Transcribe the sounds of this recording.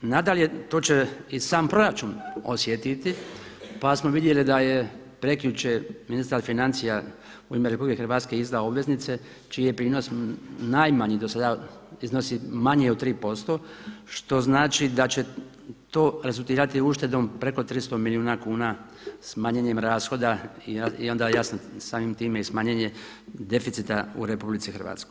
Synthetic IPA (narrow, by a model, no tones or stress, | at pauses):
nad̪alje̞t̪o̞ːt͡ɕeisaːmpɾo̞ɾat͡ʃunosjet̪it̪ipasmo̞ʋid̪je̞lid̪aje̞ | pɾe̞kiut͡ɕeminist̪aɾfinant̪sija | uimeɾepublikexɾʋaːt̪ske̞izd̪aobʋe̞znit̪se̞ | t͡ʃijijepɾiːno̞snajmaɲid̪osad̪aizno̞simaɲijeot̪ːɾiːpo̞st̪o̞ʃt̪o̞znaːt͡ʃid̪at͡ɕe̞ | t̪o̞ːɾe̞zulˠt̪iːɾat̪iuʃt̪e̞d̪o̞mpɾe̞ko̞t̪ɾist̪o̞milijuːnakuːna | smaɲeɲe̞mɾaːsxo̞d̪aiio̞nd̪ajasnosaːmimt̪iːmeismaːɲeɲe̞ | d̪e̞fit̪sit̪aṵɾe̞publit̪sixɾ̩ʋa̰ːt̪skoj